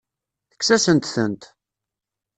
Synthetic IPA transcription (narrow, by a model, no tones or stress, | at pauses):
θə̥ksæsənt̪θənt̪